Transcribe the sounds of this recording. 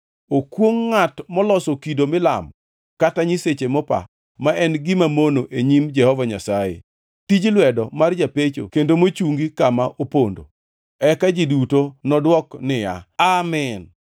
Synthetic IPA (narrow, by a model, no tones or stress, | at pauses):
okwoŋːatmɔlɔsokidomɪla̰m | kataɲiset͡ʃemɔpa̰ | maʔɛnɡɪmamonoʔeɲimd͡ʒɛhɔvaɲa̰sajḛ | tid͡ʒlwɛdɔmard͡ʒapet͡ʃo̰kendomot͡ʃuŋɡikamaʔopondo̰ | ɛkad͡ʒidutonɔdwɔknɪja̰amɛn